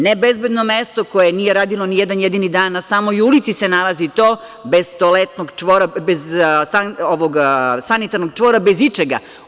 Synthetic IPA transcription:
nebezbe̞d̪nomest̪oko̞jeniːjeɾaːd̪ilonijɛd̪anjed̪inid̪aːnːasaːmojulit̪sisenalazit̪oː | be̞z̥t̪olet̪noɡt͡ʂʋoːɾabezsaoʋoɡsanit̪aɾnoɡ̚t͡ʂʋo̞ːɾabezit͡ʂeɡa̰

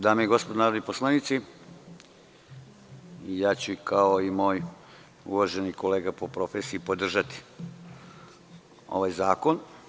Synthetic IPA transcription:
d̪aːmeiɡospod̪onaːɾod̪niposlˠanit̪si | ijaːt͡ɕukʰaoimoːj | ṵʋaʒenikoleːɡapo̞pɾo̞feːsiipod̪r̩ʒat̪i̥ | o̞̰ʋajzaːkon

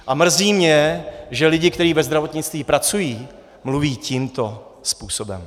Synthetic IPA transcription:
ʔamr̩ziːmɲɛʒɛlɪɟɪkt̪ɛɾiːvɛzd̪ɾavo̞t̪ɲɪt͡st̪viːpɾat͡sujiː | mluviːcimt̪o̞spuːsobɛ̰m

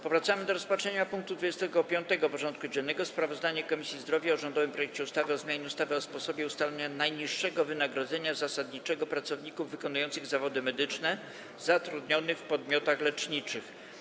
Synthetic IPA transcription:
pɔvɾat̪samɘd̪ɔɾɔspat͡ʂʂɛɲapuŋk̚t̪ud̪vud͡ʑɛst̪ɛɡɔpʲjɔnt̪ɛɡɔpɔʐɔnt̪̚kud͡ʑɛnːɛɡɔspɾavɔzd̪aɲɛkɔmʲisʲjizd̪ɾɔvʲjaɔʐɔnd̪ɔvɘmpɾɔjɛk̚t͡ɕɛust̪avɘɔzmʲjaɲɛust̪avɛɔspɔsɔbʲjɛust̪alɛɲanajɲiʂːɛɡɔvɘnaɡɾɔd̪zɛɲazasad̪ɲit͡ʂɛɡɔpɾat̪sɔvɲikuvːɘkɔnujɔnt̪sɘɣzavɔd̪ɘmɛd̪ɘt͡ʂnɛ | zat̪ɾud̪ɲɔnɘfpɔd̪mʲjɔt̪axlɛt͡ʂɲit͡ʂɘx

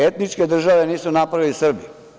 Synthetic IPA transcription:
et̪nit͡ʃked̪r̩ʒaʋeniːsunapɾaʋilisr̩bi

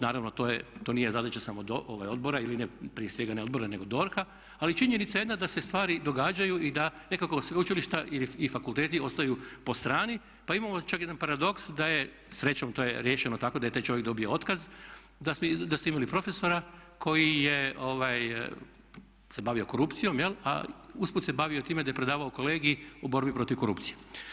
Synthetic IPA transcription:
naːɾaʋnot̪oːjet̪o̞nije̞zad̪at͡ʃasamod̪oʔoʋajo̞d̪̚bo̞ɾailinepɾijesʋe̞ɡaneo̞d̪bo̞ɾane̞ɡo̞d̪o̞ɾxa | alit͡ʃiɲenit̪saje̞d̪nad̪asest̪ʋaːɾid̪o̞ɡaːd͡ʒajuʔid̪anekako̞sʋeut͡ʃiliʃt̪aʔiliifakulˠt̪eːt̪io̞st̪ajupo̞st̪ɾaːni | paimamo̞t͡ʃakjed̪anpaɾad̪o̞ksd̪aje | sɾe̞t͡ɕomt̪oːjeɾje̞ːʃenot̪ako̞d̪ajet̪ajt͡ʃojek̚d̪o̞bijoo̞t̪kaz | d̪asmd̪asoimalipɾo̞fe̞so̞ɾakʰo̞jijeo̞ʋaj | se̞baʋio̞ko̞ɾupt̪sijo̞mjela̰usput̪sebaʋiot̪iːme̞d̪ajepɾe̞d̪aːʋaoko̞leːɡiiubo̞ɾbipɾo̞t̪iʋko̞ɾṵpt̪sije

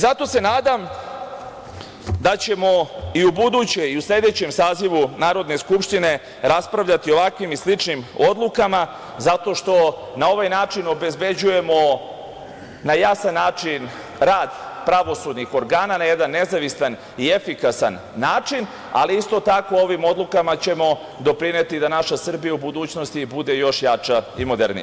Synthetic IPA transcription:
zat̪o̞se̞naːd̪am | d̪at͡ɕe̞mo̞iubud̪uːt͡ɕe̞iuslʎʲe̞d̪e̞t͡ɕe̞msaːziʋunaːɾo̞d̪ne̞skupʃt̪ine̞ | ɾaspɾaʋʎat̪io̞ʋakʋimislit͡ʂnimo̞d̪lˠukama | zat̪o̞ʃt̪o̞nao̞ʋajnaːt͡ʂino̞be̞zbe̞d͡ʑuje̞mo̞ | najasanːaːt͡ʂin | ɾaːd̪pɾaʋo̞sud̪nixo̞ɾɡaːnanaje̞d̪anːe̞zaʋisan | iefikasanːaːt͡ʂin | a̰liist̪o̞t̪ako̞o̞ʋimo̞d̪lˠukamat͡ɕe̞mo̞ | d̪o̞pɾine̞t̪id̪anaʃasr̩bijaubud̪uːt͡ɕno̞st̪ibud̪e̞jo̞ʃjat͡ʃaimo̞d̪ḛɾnḭ

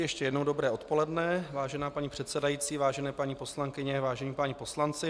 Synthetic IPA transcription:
jɛʃcɛjɛdnowdo̞bɾɛːʔo̞t̪po̞lɛdnɛvaːʒɛnaːpaɲipr̥ɛt̪sɛdajiːt͡siːvaːʒɛnɛːpaɲiːpo̞slaŋkɪɲɛvaːʒɛɲiːpaɲipo̞slant͡sɪ

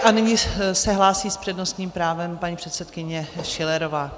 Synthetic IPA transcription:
ʔanɪɲɪsɛɦlaːsiːspr̥ɛdno̞st̪ɲiːmpɾaːvɛmpaɲiːpr̥ɛt̪sɛt̪kɪɲɛʃɪlɛɾovaː

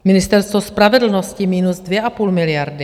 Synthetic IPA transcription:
mɪnɪst̪ɛɾst̪vospɾavɛdl̩noscɪmiːnuzdvjɛʔapuːlmɪlɪjaɾdɪ

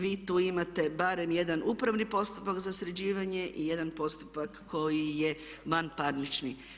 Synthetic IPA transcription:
ʋiːt̪uːimat̪e̞baɾe̞mje̞d̪anʔupɾaʋnipo̞st̪u̥pakzasɾed͡ʑiːʋaɲe̞ʔḭje̞d̪anpo̞st̪u̥pakːo̞jije | ʋanpaɾnit͡ʃni

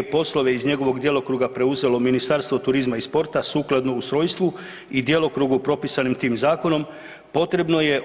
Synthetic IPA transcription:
po̞slˠo̞ʋe̞izɲe̞ɡo̞ʋo̞ɡd̪je̞lˠokɾuːɡapɾe̞uze̞lo̞minist̪aɾst̪ʋot̪uɾizmaispo̞ɾt̪asuːklˠad̪no̞ust̪ɾo̞jst̪ʋu | id̪je̞lˠo̞kɾuːɡupɾo̞pisanimt̪iːmzaːko̞no̞m | po̞t̪ɾe̞bno̞je̞

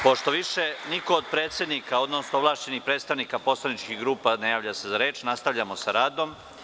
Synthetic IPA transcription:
po̞ʃt̪o̞ʋiʃeniko̞ːd̪̚pɾe̞ːt̪sje̞d̪nikao̞d̪nosnoʋlˠaːʃt͡ɕe̞nixpɾet̪st̪aʋnikapo̞slˠanit͡ʃkiɡɾuːpanajaːʋʎase̞zaɾe̞ːt͡ʃnast̪aʋʎamosaɾaːd̪o̞m

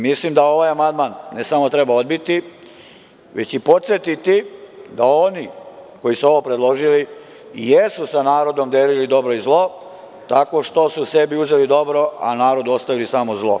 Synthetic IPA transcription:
mislimd̪ao̞ʋaːjamand̪manːesamo̞t̪ɾe̞bao̞d̪bit̪i | ʋe̞t͡ɕipo̞t̪sjet̪it̪id̪ao̞niko̞jisuo̞ʋopɾe̞d̪lˠo̞ʒili | jesusanaːɾo̞d̪o̞md̪eɾilid̪o̞bɾo̞izlˠo̞ | t̪ako̞ʃt̪o̞suse̞biuzelid̪o̞bɾo̞ʔa̰naːɾo̞d̪uo̞st̪aʋilisamozlˠo̞

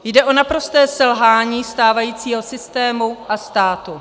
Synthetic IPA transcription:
jdɛʔo̞napɾo̞st̪ɛːsɛlɦaːɲiːst̪aːvajiːt͡siːɦo̞sɪst̪ɛːmuʔast̪aːt̪u

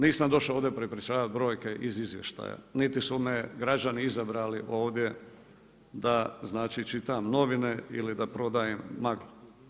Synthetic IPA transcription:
niːsamd̪o̞ʃaoːd̪jepɾepɾʲit͡ʃaːʋat̪̚bɾo̞ːjke̞ʔizizʋjḛʃt̪a̰ːja̰nit̪isumeɡɾad͡ʒaniizabɾaːliʔo̞ːʋd̪je̞ | d̪aznaːt͡ʃit͡ʃit̪amno̞ʋine̞ḭlid̪apɾo̞d̪ajemːaɡlo

